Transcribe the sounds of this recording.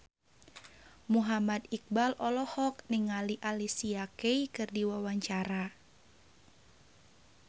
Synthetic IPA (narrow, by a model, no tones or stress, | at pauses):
muɦamad̪ik̚balʔɔlɔhɔk̚niŋaliʔalisiakeikɨrdiwawaɲt͡ʃaɾa